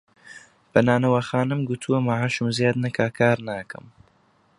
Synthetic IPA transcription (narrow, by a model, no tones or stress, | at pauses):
b̥ɐnaːnɐwɐxaːnɨmɡut̪ʰuwɐmaʕaʃɨmzeːd̪nɨkʰaːkʰaːɾnaːkɐ̰m